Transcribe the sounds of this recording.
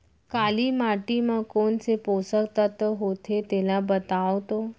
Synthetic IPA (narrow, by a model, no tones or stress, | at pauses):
kaliːmaʈiːməkoɳt͡seposəkt̪ət̪əɦot̪et̪elabət̪aʋt̪o